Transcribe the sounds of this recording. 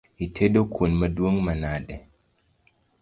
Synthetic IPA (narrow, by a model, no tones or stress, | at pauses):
itʰedokʰunmaduoŋmanaɗɛ